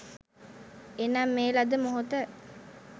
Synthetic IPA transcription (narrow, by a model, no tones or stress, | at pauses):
enaːmːeːlɐd̪əmoɦut̪ə